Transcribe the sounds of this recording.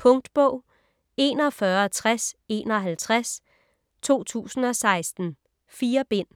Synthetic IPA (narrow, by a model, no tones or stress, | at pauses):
pʰɔ̽ŋd̥b̥ɔʊ̰ | e̝̰ːnɒfɶɐɒt͡sʰʁase̝̰ːnɒ̽ɦælt͡sʰʁas | t͡sʰo̝̰ːt͡sʰṵːsn̩ɒ̽sɑ̈ɪsd̥n̩ | fiːɐb̥e̝n̰